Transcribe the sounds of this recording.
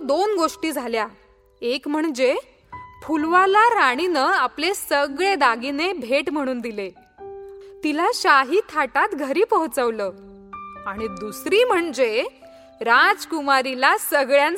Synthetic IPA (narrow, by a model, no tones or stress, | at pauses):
d̪onɡoʂʈiːd͡zʱalja | ekm̤əɳd͡ze | pʰulʋalaɾaɽ̃inəːaplesəɡɭed̪aɡinebʱeʈm̤əɽ̃uːnd̪ile | t̪ilaɕaɦiːt̪ʰaʈat̪ɡʱəɾiːpəɦt͡səʋləː | aɽ̃id̪usɾiːm̤əɳd͡ʑe | ɾad͡zkumaɾilasəɡɭjan